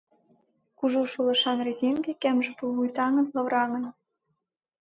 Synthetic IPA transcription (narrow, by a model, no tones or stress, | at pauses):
kuʒuʃulɤ̆ʃɑnrezʲeŋɡekæmʒĕpuβujt̪ɑŋɤ̆nlɤ̆βɾɑŋɤ̆n